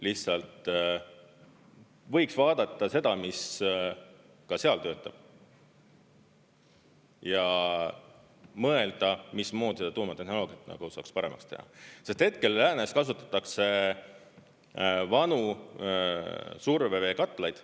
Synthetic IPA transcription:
lihssɑlt̪ | vɤ̞jksvɑːd̪̥ɑt̪ːˑɑse̞d̪̥ɑmis | kɑse̞ɑlt̪øːt̪ːˑɑb̥ | jɑ | mɤe̞ld̪̥ɑmismo̞ːd̪̥ʲised̪ɑt̪uːmɑt̪e̞hno̞lo̞ːɡ̥ijɑt̪ːˑnɑ̰ɡ̥usɑ̰kspɑɾe̞̰mɑ̰kst̪e̞̰hɑ̰se̞st̪he̞t̪̚ke̞lːæːneskɑs̬ut̪ːˑɑ̥t̪ːˑɑkse̞ | vɑnu | surve̞ve̞ːkɑt̪ːˑlɑjd̪̥

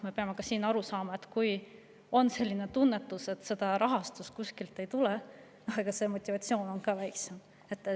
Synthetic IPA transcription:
me̞peɑmekɑsiːnɑɾusɑːmɑe̞t̪ːˑkuj | o̞nse̞lʲːine̞t̪unːe̞t̪ːˑuse̞t̪ːˑse̞d̪̥ɑɾɑɦɑst̪uskuskilt̪ˑːe̞jt̪ule | noheɡ̥ɑse̞mo̞t̪ʲːivɑt̪sio̞ːno̞nkɑːvæjksem | e̞t̪ː

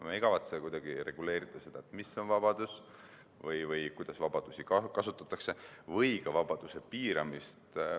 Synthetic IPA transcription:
meiɡ̥ɑvɑt̪sekujd̪̥ɑɡ̥iɾe̞̰ɡ̥ule̞ːɾit̪ːˑɑse̞d̪̥ɑet̪misːeo̞nvɑb̥ɑd̪̥us | vɯjvɯjkujd̪̥ɑsvɑb̥ɑd̪̥usikkɑsut̪ːˑɑt̪ːˑɑkse̞vɯjkɑvɑb̥ɑd̪̥use̞piːɾɑ̰mist̪

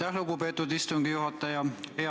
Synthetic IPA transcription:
æhluɡupe̞ːt̪ːˑud̪ist̪uŋɡ̥ijuɦɑt̪ːˑɑjɑhe

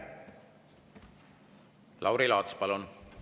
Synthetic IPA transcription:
lʔɑ̰wɾilɑːt̪spɑlun

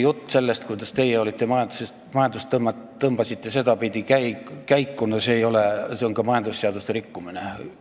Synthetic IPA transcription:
jut̪ːˑse̞lːe̞st̪̚kujd̪ɑst̪e̞jːeo̞lit̪ˑːe̞mɑjɑnd̪uses | mɑjɑnd̪ust̪ːmːɑ | ɤmb̥ɑsit̪ːe̞se̞d̪ɑpid̪ikækæjkːunːɑse̞ːjo̞leseoŋkɑmɑjɑnd̪usːeɑd̪ust̪eɾikːumine

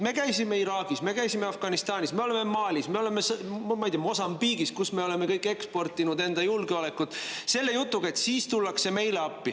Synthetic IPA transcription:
me̞kæjsime̞iɾɑːɡ̥isme̞kæjsime̞ɑfɡ̥ɑnist̪ɑːnʲisme̞o̞le̞me̞mɑːlʲisme̞o̞le̞me̞smɑjt̪ʲiɑmo̞sɑmbiːɡ̥iskusme̞o̞le̞me̞kɤjkːe̞kspo̞rt̪ːˑinud̪e̞nd̪ɑjulɡeole̞kːut̪ˑse̞lːe̞jut̪ːˑuɡ̥ɑe̞t̪siːst̪ulːɑkse̞me̞jle̞ɑpːi

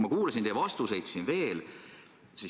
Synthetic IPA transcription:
mɑkuːlɑsʲind̪ejvɑst̪use̞jd̪siːnve̞ːl | si

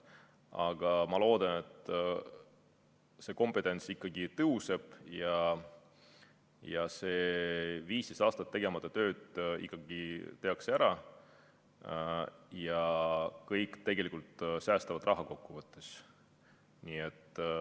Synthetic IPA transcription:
ɑɡ̥ɑmɑlo̞ːd̪̥ɑne̞t̪ːˑ | se̞ːko̞mpˑe̞t̪ːˑe̞nt̪sikːɑɡit̪ɤɦuse̞b̥jɑ | jɑse̞ːviːsd̪̥esɑːst̪ɑt̪ːe̞ɡ̥e̞mɑt̪ːˑɑt̪ø̞ːd̪̥ḭkˑːɑɡ̥it̪e̞ɑksæɾɑ | jɑkɤjkt̪e̞ɡ̥e̞likult̪sæːst̪ɑvɑd̪rɑɦɑko̞kːuvɤt̪ːˑes | niːet̪ː

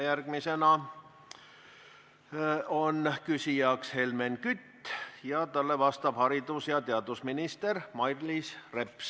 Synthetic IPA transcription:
jærɡ̥mise̞nɑ | onkysijɑkshe̞lmenkyt̪ːjɑt̪ɑlːevɑst̪ɑb̥hɑɾid̪usjɑt̪eɑd̪̥usminist̪ermɑjrlisreps

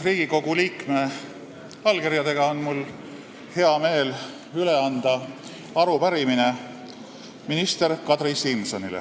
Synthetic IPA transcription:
riːɡ̥iko̞ɡ̥uliːkme | ɑlɡeɾjɑd̪e̞ɡ̥ɑonmul | he̞ɑme̞ːl | yle̞ɑnd̪̥ɑ | ɑɾupæɾimine̞ | minist̪e̞ɾkɑt̪risimsonilḛ

